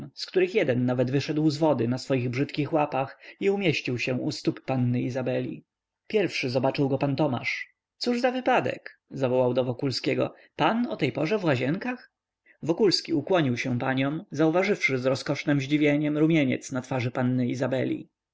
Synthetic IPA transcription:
skt̪uɾɘxjɛd̪ɛnːavɛd̪vɘʂɛd̪wzvɔd̪ɘnasfɔjiɣbʐɘt̪kʲixwapaxiumʲjeɕt͡ɕiwɕɛ̃ust̪upːanːɘizabɛlʲḭ | pʲjɛɾfʂɘzɔbat͡ʂɘwɡɔpant̪ɔma̰ʂ | t̪suʐzavɘpad̪ɛ̰kzavɔwawd̪ɔvɔkulskʲɛɡɔ̰ | panɔt̪ɛjpɔʐɛvwaʑɛŋkax | vɔkulskʲiukwɔɲiwɕɛ̃paɲɔ̃mzauvaʐɘfʂɘzɾɔskɔʂnɛmʑd͡ʑivʲjeɲɛmɾumʲjeɲɛ̰t̪snat̪faʐɘpanːɘizabɛlʲḭ

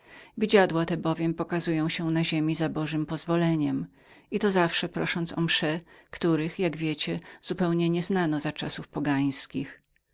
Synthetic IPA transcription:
vʲid͡ʑad̪wat̪ɛbɔvʲjɛmpɔkazujɔ̃w̃ɕɛ̃naʑemʲizabɔʐɘmpɔzvɔlɛɲɛm | it̪ɔzafʂɛpɾɔʂɔnt̪sɔ̰mʂɛkt̪uɾɘxjaɡvʲjɛt͡ɕɛz̥upɛwɲɛɲɛznanɔzat͡ʂasufpɔɡaj̃skʲix

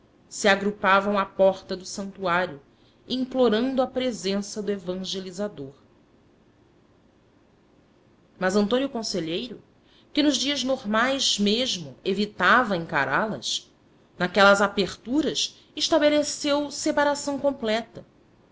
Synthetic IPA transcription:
siaɡɾupavɐ̃w̃apɔɾt̪ɐd̪ʊsɐ̃nt̪uaɾjʊ | ĩŋploɾɐ̃nd̪ʊɐpɾezẽsɐd̪ʊevɐ̃ʒelizad̪oɾ | mɐzɐ̃nt̪õnjʊkõseʎejɾʊ | kɪnʊʒd͡ʒiɐznoɾmajzmeʒmʊevit̪avɐẽŋka̰ɾalɐ̰s | nakɛlɐzapeχt̪uɾɐs | ɪʃt̪abelesewsepaɾasɐ̃w̃kõmplɛt̪ɐ

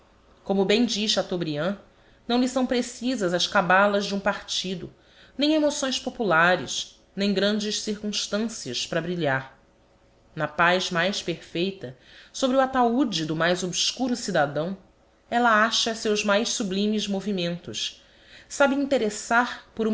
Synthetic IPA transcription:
kõmʊbẽj̃d͡ʒiʃɐt̪obɾiɐ̃ | nɐ̃w̃lisɐ̃w̃pɾesizɐzɐskabalɐzd͡ʒɪũpaɾt͡ʃid̪ʊ̰ | nẽj̃emosõj̃spopulaɾɪʃ | nẽj̃ɡɾɐ̃nd͡ʒɪʃsiɾkũʃt̪ɐ̃siɐʃpɾɐbɾiʎaɾ | nɐpajzmajʃpeɾfejt̪ɐsobɾɪuat̪aud͡ʒid̪ʊmajzobskuɾʊsid̪ad̪ɐ̃w̃ | ɛlɐaʃɐsewzmajʃsublĩmizmovimẽnt̪ʊʃ | sabɪĩnt̪eɾesaɾpoɾũ

